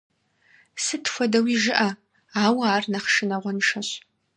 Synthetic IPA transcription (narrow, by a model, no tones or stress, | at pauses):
sɨtxʷɔdɐwiʒɪʔɐ | aːwaːrnɐχʃɨnɐʁʷɔnʂɐɕ